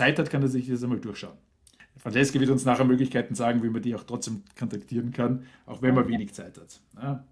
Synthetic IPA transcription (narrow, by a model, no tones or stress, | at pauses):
t͡saɪthatkʰaneːɐzɪçjɛsæɪmaːldʊɐʃaʊn | fʁ̥ant͡ʃɛskəvɪɐtʊnsnaːχəɐmøːɡlɪçkʰaɪtn̩zaːɡŋ̩viːmɐdɪçaʊxtʁ̥ɔt͡sd̥eːmkʰɔntaktʰiːʁənkʰanʔaʊxvɛnmɐveːnɪçt͡saɪthat | nə